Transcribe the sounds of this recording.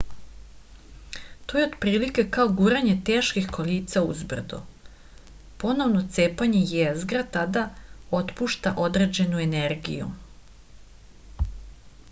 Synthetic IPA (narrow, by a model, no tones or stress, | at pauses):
t̪o̞jeod̪pɾiːlikekaoɡuɾaɲe̞t̪eːʃkixko̞liːt̪saṵzbr̩d̪o̰ | po̞no̞ʋno̞t̪seːpaɲejezɡɾat̪ad̪aot̪puʃt̪aʔo̞d̪ɾe̞ːd͡ʑe̞nue̞ne̞ɾɡḭjṵ